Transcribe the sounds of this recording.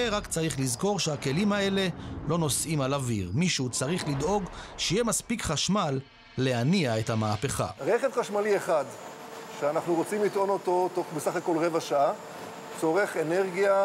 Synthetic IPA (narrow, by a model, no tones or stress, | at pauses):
eʁakt͡saʁiχlizko̞ʁʃeake̞limae̞le̞lo̞no̞sʔimalaviʁmiʃut͡saʁiχlid̪o̞ɡʃejemaspikχaʃmalː | e̞haniae̞thamaːpe̞χa̰ʁeχevχaʃmalieχad̪ | ʃeanaχnuʁot͡simlit̪ʔo̞no̞t̪o̞toχbesaχako̞lʁevaʃaa | t͡so̞ʁe̞χeneʁɡija